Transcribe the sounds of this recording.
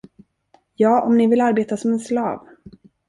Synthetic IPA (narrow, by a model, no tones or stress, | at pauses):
jɑːʔɔmnɪvɪlaɾbeːt̪asɔmɛnslɑːv